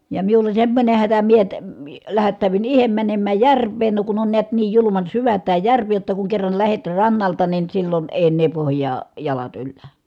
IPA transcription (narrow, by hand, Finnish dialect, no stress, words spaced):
jɑ miulːɑ semːonʲe hætæ mie əː læhætːæˑy̞ʋyn ihem mænemːæj jærʋˑeːn no kun on neæt niːj julumɑn syʋæ tæː jærʋi jotːɑ kuŋ kerːɑn læhet rɑnːɑltɑ nin silːon eˑi̯ enːeː pohjˑɑː jɑlɑt ylːæ